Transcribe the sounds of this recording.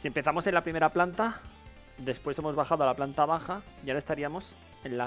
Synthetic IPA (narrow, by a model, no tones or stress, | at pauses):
siempe̞θamo̞se̞nlapɾime̞ɾaplant̪a | d̪e̞spwese̞mo̞zβaxaðoalaplant̪aβaxa | ʝaae̞st̪aɾiamo̞s | e̞nla